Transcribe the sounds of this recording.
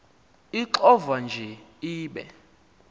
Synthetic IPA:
iǃɔvand͡ʒʱɛiːɓɛ̰

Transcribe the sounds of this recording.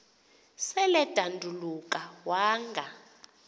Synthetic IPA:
sɛlɛd̥ʱandʱuluk̬ʼawaːŋɡʱa

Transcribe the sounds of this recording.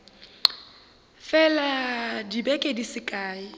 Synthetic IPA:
fɛladibɛkʼedisɪkʼaːi

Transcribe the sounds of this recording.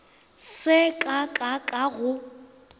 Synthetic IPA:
sɪkʼakʼakʼaɣʊ

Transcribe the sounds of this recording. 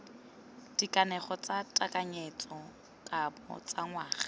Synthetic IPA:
d̥ikʼanɛχɔt͡sʼatʼakʼaɲet͡sʼɔ | kʼabɔ̰t͡sʼaŋwaːχḁ

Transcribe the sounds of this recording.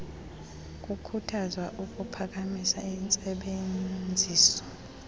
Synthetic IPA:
k̬ʼukʰutʰazwaʔuk̬ʼupʰak̬ʼamisaint͡sʼɛɓed͡zʱiːsɔ̥

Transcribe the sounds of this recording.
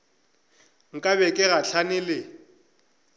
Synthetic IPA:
ŋ̩kʼaβɛkʼɪɣaɬʰanɪlɪ

